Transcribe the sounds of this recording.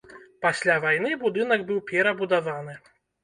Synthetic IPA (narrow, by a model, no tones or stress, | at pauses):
pasʲlʲavajnɨbud̪ɨn̪ɐɡbɨwpʲɛɾɐbud̪avanɨ